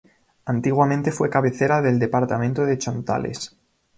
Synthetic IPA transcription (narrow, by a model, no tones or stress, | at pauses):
ant̪iɣwamẽnt̪e̞fwe̞kaβe̞θeɾaðe̞ld̪e̞paɾt̪ament̪oðe̞t͡ʃont̪a̰lḛs